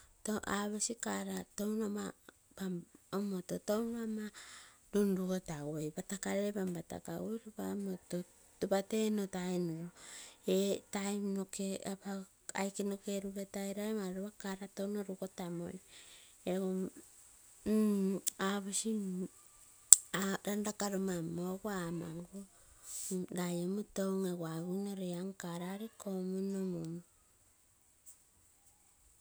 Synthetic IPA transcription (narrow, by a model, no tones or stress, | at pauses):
toʔaβesikaɾato̞wnoma | baomototonama | ɾunɾuɡotawojbatakaɾebambata̰ka̰ojɾobamoto | batenotajnoɾoetajmnokeapa | a̰jkenoke̞ɾuβetajɾaemaɾuβakaɾatownoɾuko̞tamo̞̰j | eo | aβosi | aɾandakaɾomamoɡamaŋɡo | ɾajomutowŋeɡwaβunoɾeaŋkaɾaɾikomunomom